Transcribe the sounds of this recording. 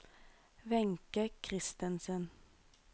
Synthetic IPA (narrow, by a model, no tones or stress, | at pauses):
ʋɛŋkəkʰʁɪst̪ənsən